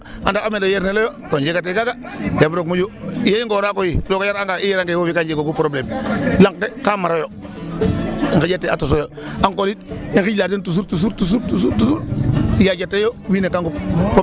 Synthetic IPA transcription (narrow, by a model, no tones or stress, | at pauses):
andakamelojeɾnelojotod͡ʒekat̬ekaka | jebɾokmod͡ʒojeiŋɡoɾakojilokajaɾaŋɡaijeɾaŋɡewofikand͡ʒekokupɾoblemlaŋk̚tekamaɾojo | iŋkid͡ʒatːeatos̬ojo | aŋkolitiŋkiɟlat̬intus̬uɾtus̬uɾtus̬uɾtusuɾtusuɾjad͡ʒatːejowinekaŋɡup